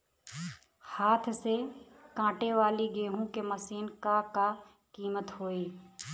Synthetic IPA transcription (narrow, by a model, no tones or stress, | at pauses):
haːt̪ʰse | kãːʈeːʋaːliɡeːɦũːkeːməsiːnkakaː | kiːmət̪ɦoːiː